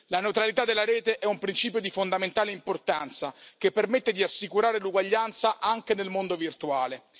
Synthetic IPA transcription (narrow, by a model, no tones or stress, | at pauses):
lanewt̪ɾalit̪ad̪elːaɾɛːt̪eʔɛumpɾint͡ʃiːpjod̪ifond̪ament̪aːleimport̪ant̪sakepːermet̪ːed̪iasːikuɾaːɾeluɡwaʎːant̪saʔaŋk̟enelmond̪ovirt̪uaːle